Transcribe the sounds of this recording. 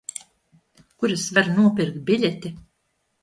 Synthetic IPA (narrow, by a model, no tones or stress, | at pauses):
kuɾɨsvaɾnuɔpʲiɾkt̪̚bʲilʲɛt̪ʲi